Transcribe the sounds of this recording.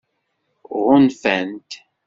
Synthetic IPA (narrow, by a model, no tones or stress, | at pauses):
ʁʊnfænt̪